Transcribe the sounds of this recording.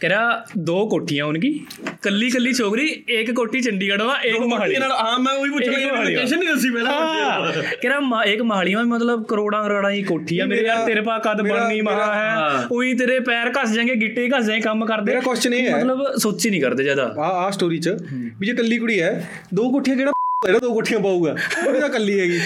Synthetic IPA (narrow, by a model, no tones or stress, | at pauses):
kɛːɾãːd̪oːkoːʈʰːijãːʊnk̬iːkəlːiːkəlːiːt͡ʃʰoːkɾiːɪkːoːʈʰːiːt͡ʃəɳɖiːkəɽʋãːʔekmɦaːlinaaːmɛ̃ːoiːpʊːiːɛ̃ːʃənnĩːd̪əsiːpɛːlãa | kɛːɾaːmɪkməɦaːɭiːʋãːimət̪̬ləbkəɾoːɽãːɾaːɽãːĩːkoːʈʰːiːãːmeːɾeaːleːɾp̬aːkəd̪bəɳnĩːmaaːɦɛːʊĩːt̪eːɾeːpɛːɾkəsd͡ʒãːŋɡeːɡɪʈːeːkəsãĩkəmkəɾd̪eːaːkɔst͡ʃnə̃ĩɛməːləbsoːt͡ʃiːnĩːkəɾd̪eːd͡ʒaːd̪a̰ːaːaːsʈoːɾiːt͡ʃəbiːd͡ʒeːkəlːiːkʊɽiːɦɛː | d̪oːkoːʈʰijãːɡɪɽãːeːɽaːd̪oːkoːʈʰːijãːpaːuːɡaːd͡ʒaːkəlːiːɦɛːɡiː